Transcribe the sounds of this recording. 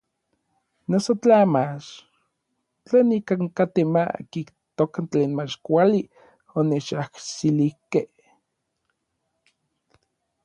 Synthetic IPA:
nosot͡ɬamat͡ʃ | t͡ɬeːnikaŋkat̪ema̰kiht̪okant͡ɬeːnmat͡ʃkʷali | onet͡ʃaksilihkeh

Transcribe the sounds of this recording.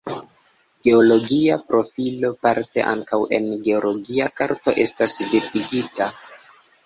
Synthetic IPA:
ɡ̥e̞olo̞ɡiapɾo̞filo̞paɾte̞̰ʔa̰ŋkawe̞̰nɡe̞olo̞ɡiakaɾto̞̰ʔe̞stasviɾtiɡita

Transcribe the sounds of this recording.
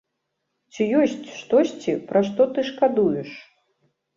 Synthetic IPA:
t͡sʲijɔsʲt͡sʲʂt̪ɔsʲt͡sʲipɾʔaʂt̪ɔt̪ɨʂkad̪ujɛʂ

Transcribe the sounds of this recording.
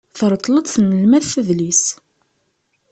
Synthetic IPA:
θəɾˤt̪ˤːləd̪ˤθnəlmæθθæðlis

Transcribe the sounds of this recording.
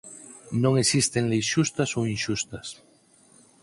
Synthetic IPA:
nõŋesist̪eŋlejsʃust̪asoinʃust̪as

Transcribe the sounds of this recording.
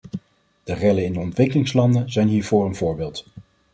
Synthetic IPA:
d̥ərɛləɪndəɔntʋɪkəlɪŋslɑndənzɛjnɦiːɹvʊːɹənvʊːɹbɪːlˠt

